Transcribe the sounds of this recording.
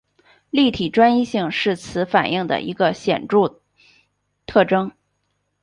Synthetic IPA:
li˥˩t̪ʰi˨˩ʈ͡ʂwa˥ni˥ɕi˥˧ŋʂɻ̩˥˩t͡sʰɹ̩˧˥fa̰˨˩nʔi˥˩ŋd̪ə̰˩ʔḭ˧˥ɡə˧ɕjɛ̰˨˩nʈ͡ʂu˥˧ | t̪ʰɤ˥˩ʈ͡ʂɤ˥ŋ

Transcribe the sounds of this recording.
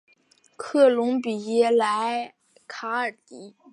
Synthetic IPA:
kʰɤ˥˩lʊ˧˥ŋpi˨˩jɛ˥˩la˧˥ɪ | kʰa˧˥ə˨˩t̪i˧˥

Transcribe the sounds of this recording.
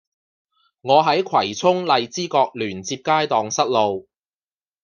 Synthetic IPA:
ŋɔː˨˧ɦɐ˨˥jkʰwɐ˨˩jt͡sʰʊ˥ŋlɐ˨jt͡siː˥kɔː˧k̚lyː˨˩nt͡siː˧p̚kaː˥jt̪ɔː˨ŋsɐ˥t̚lo˧w

